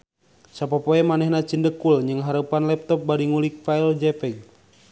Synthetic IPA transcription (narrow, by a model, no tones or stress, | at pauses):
sapɔpɔɛmanɛhnat͡ʃindəkulɲd͡ʒɨŋɦaɾupanlɛp̚t̪ɔp̚baɾiŋulik̚faild͡ʒɛpɛɡ̚